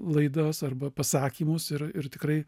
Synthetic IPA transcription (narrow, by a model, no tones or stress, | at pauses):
lˠɐɪd̪oːsɐrbɐpɐsɑːkʲiːmʊsɪrɪrt̪ʲɪkɾɐɪ